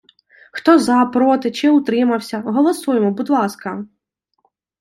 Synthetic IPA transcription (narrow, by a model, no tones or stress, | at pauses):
xt̪ɔzɐpɾɔt̪ɪt͡ʃɪʊt̪ɾɪmɐwsʲɐɦɔlˠɔsujemɔbud̪lˠɑskɐ